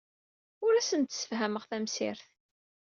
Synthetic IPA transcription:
ʊɾæsənt̪sə̥fɦæməʁθæmsɪ̰ɾθ

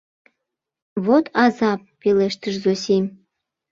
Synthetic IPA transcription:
βot̪ʰɑzɑpːeleʃt̪əʃzosim

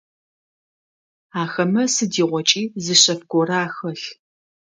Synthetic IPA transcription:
aːxɐmɐsɨdiːʁʷɔt͡ʃʼiːzɨɕɐfɡʷɔraaːxɐɬ

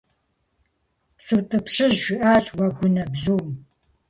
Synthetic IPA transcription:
sɨwtʼɨpɕɨʑʒʷɪʔaːɕwɐɡʷʊnɐbzuːm

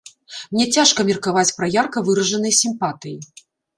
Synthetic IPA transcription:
mnʲɛt͡sʲaʂkɐmʲirkavat͡sʲpɾɐjarkɐvɨɾɐʐɐnɨjɐsʲimpat̪ɨji

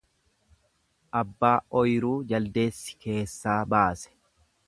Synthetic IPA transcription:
ʔɐbːaːɔjɾuːd͡ʒɐld̪e̞ːsːɪ̥ke̞ːsːaːbaːsɛ̥

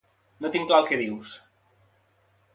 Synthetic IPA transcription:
not̪iŋklalˠkeðiws

